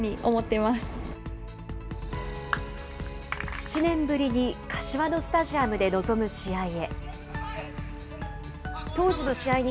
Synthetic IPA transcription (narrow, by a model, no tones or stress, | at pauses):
ɲ̟iʔo̞mo̞t̪ːe̞masɨ̥ | çi̥t͡ɕinẽ̞mbɯ̟ɾʲiɲ̟ikʰḁɕiβano̞sɨ̥t̪aʑiamɯ̟d̪e̞no̞zo̞mɯ̟ɕiaie̞ | t̪o̞ːʑino̞ɕiaiɲ̟i